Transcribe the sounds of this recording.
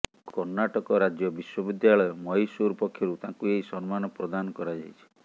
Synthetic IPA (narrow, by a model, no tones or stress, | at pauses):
kɔɾnaʈɔkɔɾad͡ʒjɔbiswɔbid̪jaɭɔjɔmɔɦisuɾɔpɔkʰːjɔɾut̪ãkueɦisɔnmanɔpɾɔd̪anɔkɔɾad͡ʒa̰jt͡ʃʰi̥